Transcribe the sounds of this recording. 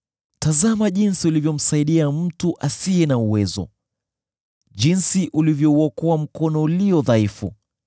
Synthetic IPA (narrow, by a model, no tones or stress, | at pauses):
tazamaʄinsiulivjɔm̩saiɗiam̩tuʔasiɛnauwɛzɔ̰ | ʄinsiʔulivjɔuɔkɔam̩kɔnɔuliɔðaifṵ